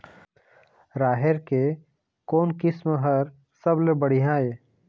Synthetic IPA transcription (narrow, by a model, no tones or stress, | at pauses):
ɾaːɦeɾke | koːnkɪsmɦəɾ | səblebəɽ̤iɦãːe